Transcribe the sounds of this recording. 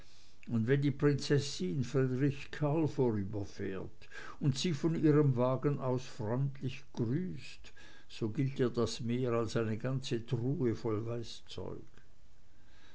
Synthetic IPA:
ʊndvɛndiːpʁ̥ɪnt͡sɛsɪnfʁidʁɪçkʰalfoːʁyːbɐfɛːɐt | ʊntsiːfɔniːʁəmvaːɡənʔaʊsfʁɔʏntlɪçɡ̥ʁyːst | z̥oːɡɪltiːɐdasmeːʁalsaɪnəɡant͡sətʁuːəfɔlvaɪst͡sɔ̰ʏk

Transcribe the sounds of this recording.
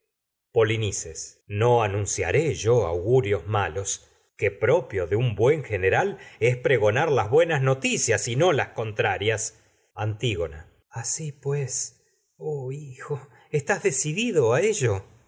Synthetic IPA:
po̞linisesnoanũnsja̰ɾeʒo̞a̰wɣuɾjo̞zmalo̞s | kepɾo̞pjo̞ðeumbwe̞ŋxeneɾalespɾeɣo̞naɾlazβwe̞nasno̞t̪isjasino̞lasko̞nt̪ɾaɾjas | ant̪iɣo̞na̰ | asipwes | oixo̞ | est̪azðe̞siðiðoaeʒo

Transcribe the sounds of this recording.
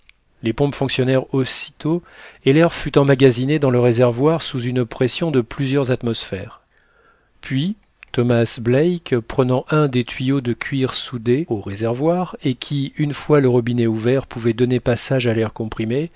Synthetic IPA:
lepɔ̃pfɔ̃ksjɔnɛʁosi̥t̪oelɛʁfyt̪ɑ̃maɡʲazined̪ɑ̃ləʁezɛʁvwaʁsuzynpχɛsjɔ̃d̪əplyzjœʁzat̪mɔsfɛʁ | pɥi | t̪ɔmasblɛjkpχənɑ̃ʔɛ̃d̪et̪ɥijod̪əkʲʰɥiʁsud̪eoʁezɛʁvwaʁekʲʰiynfwaləʁɔbinɛuvɛʁpuvɛd̪ɔnepasaʒalɛʁkɔ̃pχime

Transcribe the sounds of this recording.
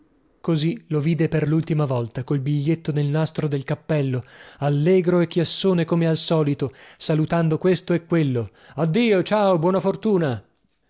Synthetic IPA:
koziloviːd̪eperlult̪imavɔlt̪akoilbiʎːet̪ːonelnast̪ɾod̪elkapːɛlːoalːɛːɡɾoekːjasːoːnekomealsɔːlit̪osalut̪and̪okwest̪oekːwelːo | ad̪ːiːot͡ʃaːobwɔːnafort̪uːna

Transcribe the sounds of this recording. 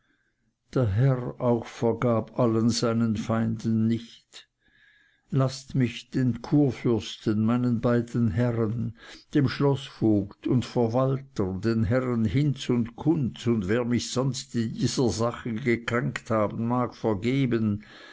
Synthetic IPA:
d̥eːɐɦɛʁaʊxfɛɐɡaːbʔalənzaɪnənfaɪndənːɪçt | lastmɪçd̥eːnkʰuːɐfʏɐstənmaɪnənbaɪdən̩ɦɛʁənd̥eːmʃlɔsfoːktʊntfɛɐvaltədeːnɦɛʁənhɪnt͡sʊntkʰʊnt͡sʊndveːɐmɪçz̥ɔnstɪndiːzɐzaχəɡəkʁ̥ɛŋkthaːbən̩maːkfɛɐɡeːbən

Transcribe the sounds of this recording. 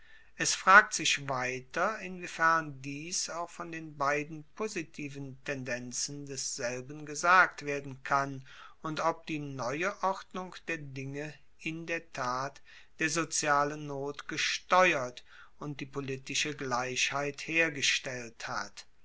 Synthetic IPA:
ʔɛsfʁ̥aːk̚tz̥ɪçvaɪtɐɪnvifɛɐndiːsaʊxfɔndeːnbaɪdn̩pʰozitʰiːvən̩tʰɛndɛnt͡sn̩dɛsz̥ɛlbən̩ɡəzaːk̚tv̥eːɐdn̩kʰan | ʊntɔp̚d̥iːnɔʏəʔɔʁdnʊŋkd̥eːɐdɪŋə | ʔɪndeːɐtʰaːt | d̥eːɐzot͡sjaːlənnːoːtɡ̥əʃtɔʏɐt | ʊnt̚d̥iːpolitɪʃəɡlaɪʃhaɪtheːɐɡəʃtɛlthat

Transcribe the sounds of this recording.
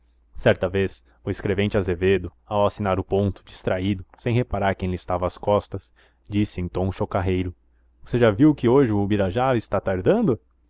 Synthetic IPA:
sɛɾt̪ɐves | ʊeskɾevẽnt͡ʃɪazeved̪ʊawasinaɾʊpõnt̪ʊ̥d͡ʒist̪ɾaid̪ʊsẽj̃ɦepaɾaɾkẽj̃lɪst̪avɐːskɔst̪ɐs | d͡ʒisɪẽnt̪ɐ̃w̃ʃokaɦejɾʊ | voseʒaviwkɪoʒɪʊʊbiɾaʒaɾɪst̪at̪aɾd̪ɐ̃nd̪ʊ

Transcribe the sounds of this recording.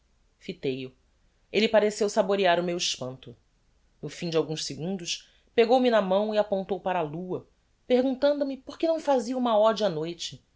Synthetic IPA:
fit̪ejʊ | elɪpaɾesewsaboɾiaɾʊmewɪʃpɐ̃nt̪ʊ | nʊfĩd͡ʒɪawɡũʃsiɡũnd̪ʊʃ | peɡowminɐmɐ̃w̃iapõnt̪owpaɾɐaːluɐ | peɦɡũnt̪ɐ̃nd̪ʊmɪpoχkenɐ̃w̃faziɐũmɐɔd͡ʒanojt͡ʃɪ

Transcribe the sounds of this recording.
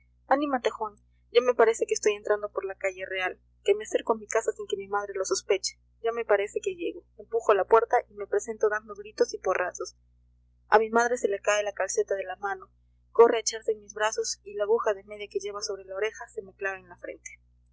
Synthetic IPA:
anĩmat̪e̞xon | ɟ͡ʝame̞paɾe̞se̞keːst̪o̞je̞nt̪ɾand̪o̞po̞ɾlakaʝe̞re̞al | ke̞mease̞ɾkoamikasasiŋke̞mimaðɾe̞losospe̞t͡ʃe̥ | ʝame̞paɾe̞se̞ke̞ʝe̞ɣo̞empuxo̞lapwe̞ɾt̪aʔime̞pɾe̞se̞nt̪o̞ðaɾmozɣɾit̪o̞siporʔasos | a̰mimaðɾe̞se̞lekaelakalse̞t̪aðe̞lamãno̞ | ko̞rʔe̞et͡ʃaɾsenmizβɾaso̞silaβuxaðe̞me̞ðjake̞ʝe̞βaso̞βɾelaoɾe̞xase̞me̞klaβenlafɾe̞̰nt̪e̥

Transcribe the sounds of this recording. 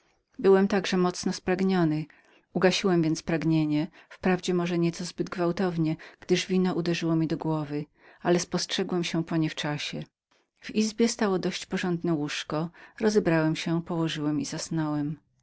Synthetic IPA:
bɘwɛmt̪aɡʐɛmɔt̪snɔspɾaɡɲɔnɘ | uɡaɕiwɛmvʲjɛnt̪spɾaɡɲeɲɛfpɾavd͡ʑɛmɔʐɛɲɛt̪sɔzbɘd̪̚ɡvawt̪ɔvɲɛɡ̥d̪ɘʐvʲinɔʔud̪ɛʐɘwɔmʲid̪ɔɡwɔvɘ | ʔalɛspɔstʂɛɡwɛmɕɛpɔɲɛft͡ʂaɕɛ | v̥izbʲjɛst̪awɔd̪ɔɕt͡ɕpɔʐɔnd̪nɛwuʂkɔɾɔzɛbɾawɛmɕɛpɔwɔʐɘwɛmizasnɔwɛm

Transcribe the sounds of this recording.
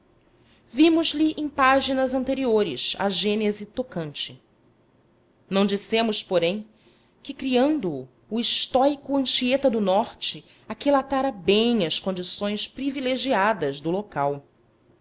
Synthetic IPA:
vimʊzliʔẽj̃paʒinɐzɐ̃nt̪eɾioɾɪ̰ʃa̰ʒẽnezit̪okɐ̃nt͡ʃɪ | nɐ̃w̃d͡ʒisẽmʊspoɾẽj̃ | kɪkɾiɐ̃nd̪ʊː | iʃt̪ɔjkʊɐ̃ʃiet̪ɐd̪ʊnɔɾt͡ʃɪ | akilat̪aɾɐbẽj̃ɐskõnd͡ʒisõj̃spɾivileʒiad̪ɐzd̪ʊlokaw

